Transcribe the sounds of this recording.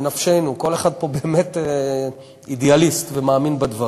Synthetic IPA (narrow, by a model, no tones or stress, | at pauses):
nafʃe̞jnuko̞le̞χad̪̚po̞be̞ːme̞te | idealistvemaːminbad̪va